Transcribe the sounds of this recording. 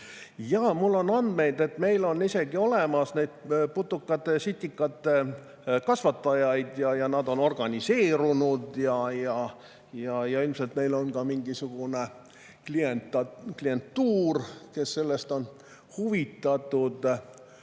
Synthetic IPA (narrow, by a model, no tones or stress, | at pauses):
jɑmulːo̞nɑnd̪̥me̞jd̪e̞t̪me̞jlo̞nːise̞ɡio̞lemɑsnejd̪̥̚put̪ˑːukːɑt̪ːˑesit̪ʲːikːˑɑt̪ˑːe | kɑsvɑt̪ːˑɑjɑjd̪jɑjɑnɑd̪o̞no̞rɡ̥ɑnʲise̞ːɾunud̪̥jɑjɑ | jɑjɑilmselt̪me̞jlo̞nkɑmiŋɡisuɡ̥une̞ | klient̪ːɑklie̞nt̪ːuːrke̞sːe̞lːe̞st̪o̞n | huvit̪ːˑɑt̪ːˑud̪̥